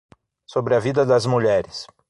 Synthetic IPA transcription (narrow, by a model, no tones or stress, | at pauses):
sobɾɪɐvid̪ɐd̪ɐzmuʎɛɾɪs